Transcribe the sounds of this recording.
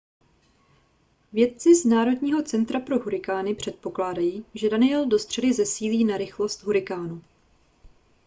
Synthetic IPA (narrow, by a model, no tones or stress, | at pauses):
vjɛt̪̚t͡sɪznaːɾo̞dɲiːɦo̞t͡sɛnt̪ɾapɾo̞ɦuɾɪkaːnɪpr̝̥ɛt̪̚po̞klaːdajiːʒɛdanɪɛldo̞st̪r̝̥ɛdɪzɛsiːliːnaɾɪxlo̞st̪ɦuɾɪkaːnu